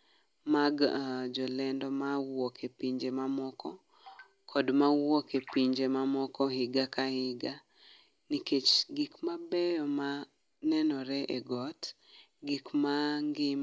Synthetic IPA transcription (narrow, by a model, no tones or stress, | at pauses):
maɡd͡ʒɔlɛndɔmawɔkʰepiɲd͡ʒemamɔkɔ | kʰɔdmawwokepiɲd͡ʒemamɔkɔɦɪɡakahɪɡa | niket͡ʃɡikmabɛjɔma | nɛnɔɾɛʔeɡɔt | ɡikmaŋɡɪm